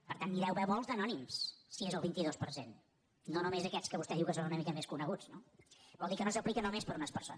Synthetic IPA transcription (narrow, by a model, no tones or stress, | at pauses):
pəɾt̪anːiɾɛwβɛwmɔlˠzðənɔnimssiezəlˠβint̪iðospəɾsen | nonumezəkɛt͡skəβust̪ɛðiwkəsonunəmikəmeskunəɣud͡znobɔlˠikənosəplikənomespəɾunəspəɾso̰n